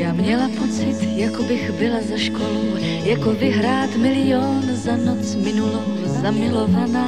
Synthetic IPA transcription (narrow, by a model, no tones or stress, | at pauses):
jaːmɲɛlapo̞t͡sɪt̪jakobɪxbɪlazaʃkolow | jakovɪɦɾaːt̪mɪlɪjo̞nzanot͡smɪnulo | zamɪlo̞vana